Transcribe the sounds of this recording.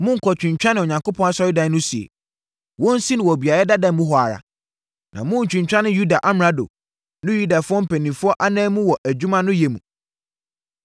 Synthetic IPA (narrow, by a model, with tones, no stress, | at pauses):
mʊ̃˦ŋ̩˨kʰɔ˨t͡ɕᶣɪ̃˨ɲ˨t͡ɕᶣa˦nɪ̃˨ɔ˨ɲã˨ŋko˦pʰɔ̃˦na˦sɔ˨˦ɾɪ˦dã˦nʊ̃˦si˨ḛ˨ | wɔ̃˦n̩˦sĩ˦nɪ̃˨wɔ˨bi˨a˨ɾɛ˦da˦dã˨n˦mũ˦ɦɔ˨a̰˨ɾa̰˨ | nʔã̰˨mʊ̃˦ɲ̩˨t͡ɕᶣɪ̃˨ɲ˨t͡ɕᶣa˦nɪ̃˦ju˦da˨ʔa˦m˨a˦do̰˨ | nʊ̃˦ju˦da˨fʊ˦ɔ˦m̩˦pʰæ˨nĩ˨fʊ˦ɔ˦ʔa˦nãː˦mũ˦wɔ˨ʔæ˨d͡ʑᶣu˦mã˦nʊ̃˦jɛ˨mṵ̃˨